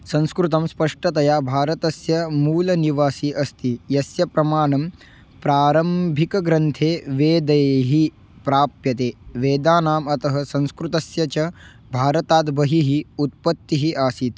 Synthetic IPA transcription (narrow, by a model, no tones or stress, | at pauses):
sɐ̃nskɾut̪ɐmspɐʂʈɐt̪ɐjaːbʱaːɾɐt̪ɐsjɐmuːlɐniʋaːsiʔɐst̪ijɐsjɐpɾɐmaːɳɐm | pɾaːɾɐmbʱikɐɡɾɐnt̪ʰeːʋeːd̪ɐjɦi | pɾaːpjɐt̪eːʋeːd̪aːnaːmɐt̪ɐɦɐ̆sɐ̃ñskɾut̪ɐsjɐt͡ʃɐ | bʱaːɾɐt̪aːd̪bɐɦiɦiut̪̚pɐt̪ːiɦiʔaːsiːt̪